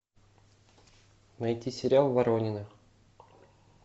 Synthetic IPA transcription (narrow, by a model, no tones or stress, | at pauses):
nɐjtʲisʲɪɾʲalˠvɐɾonʲɪnɨx